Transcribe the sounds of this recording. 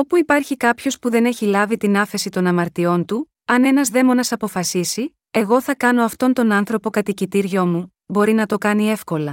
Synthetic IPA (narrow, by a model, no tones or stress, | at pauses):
o̞puipɐɾçikɐpço̞spuðe̞ne̞çilɐvit̪inɐfe̞sit̪o̞nɐmɐɾt̪io̞nt̪u | ɐne̞nɐzðe̞monɐsɐpo̞fɐsisi | e̞ɣo̞θɐkɐno̞ɐft̪o̞nt̪o̞nɐnθɾo̞po̞kɐt̪icit̪iɾʝo̞mu | bo̞ɾinɐt̪o̞kɐnie̞fko̞lɐ